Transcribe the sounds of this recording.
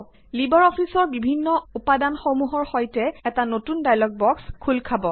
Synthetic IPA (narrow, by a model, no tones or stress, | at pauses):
libɔɹɔfʰisɔɹbibʱinːɔupadanxomuɦɔɹxojtɛɛtanotundajlɔɡ̚bɔkskʰulkʰabɔ